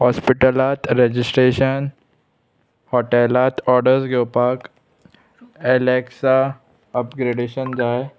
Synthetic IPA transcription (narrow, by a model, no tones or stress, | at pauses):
hɔːspɪʈəlaːt̪ɾed͡ʒɪsʈɾeːʃən | hɔːʈelaːt̪ɔːɾɖəɾsɡeʊpaːk | eleːksa | ɐpɡɾeːɖeːʃənd͡ʒaːe